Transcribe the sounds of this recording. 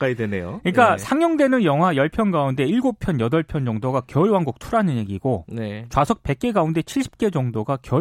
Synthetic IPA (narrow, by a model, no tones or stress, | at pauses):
k͈aidwenejoɯɲik͈asʰaŋjʌŋde̞nɯnjʌŋɦwajʌɭpʰjʌnɡaunde̞iɭɡopʰjʌnjʌdʌɭpʰjʌnd͡ʑʌŋdoɡakjʌɯɭwaŋɡuk̚tʰuɾanɯnje̞ɡiɡonet͡ɕwasʰʌk̚pe̞k̚k͈e̞ɡaunde̞t͡ɕʰiɭɕ͈ʰi̥p̚k͈e̞d͡ʑʌŋdoɡakjʌ